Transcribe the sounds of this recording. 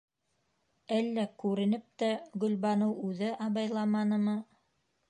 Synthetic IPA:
ælːækʉɾɘ̆nɘp̚t̪æɡɵ̆lβɑnɤwʉðɘʔɑβɑjlˠɑmɑnɤ̆mɤ

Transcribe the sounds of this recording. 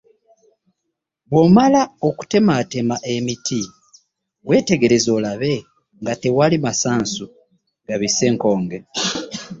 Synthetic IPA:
βwo̞malaoku̥te̞mate̞maʔe̞miti | we̞ːte̞ɡe̞ɾe̞zo̞ːlaβe̞ | ŋɡate̞walimasaːnsu | ɡaβise̞ːŋko̞ːŋɡe̞

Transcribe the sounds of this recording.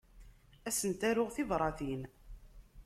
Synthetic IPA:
æsənt̪æɾʊʁθɪvɾˤɑθin

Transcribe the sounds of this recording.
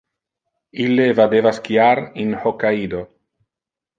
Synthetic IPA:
ilːevad̪evaskiaɾinhokaid̪o

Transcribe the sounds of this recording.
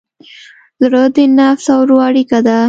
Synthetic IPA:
zɾəd̪inafsawɾuaɽikad̪a

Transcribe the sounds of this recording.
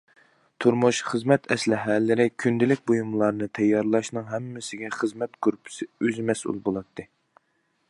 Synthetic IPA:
t̪ʰuɾmuʃχəzmɛt̪ʰɛslɪɦælːɪɾɪkʲʰynd̪ɪlɪk̚ʲbojumlˠɑɾnɨt̪ʰɛjːɑɾlˠɑʃnɨŋɦɛmːɪsɪɡʲɛχəzmɛt̪kʰøɾpʰɪ̥sɪøzmɛsʔṵlˠbolˠɑt̪ʰːɨ

